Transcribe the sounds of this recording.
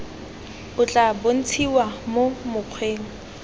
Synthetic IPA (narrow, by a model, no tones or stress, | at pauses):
ʊt͡ɬʼabon̩t͡sʰiwamomʊq͡χʰweːŋ̩